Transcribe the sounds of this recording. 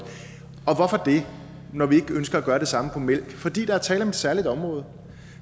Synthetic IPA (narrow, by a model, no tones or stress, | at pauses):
ɒ̽ʋɒfɒd̥e̝ | nɒʋie̝ɡ̥əønsɡ̥ɐæɡ̥ɶːɐɾ̥e̝sɑ̈məpʰɒ̽mel̰ɡ̥fɒ̽d̥ḭːd̥ɑ̈æɐt͡sʰɛ̰ːlə̥ɒ̽me̝d̥sæɐlid̥ɒ̽mʁɔ̽ːð̞̩ˠ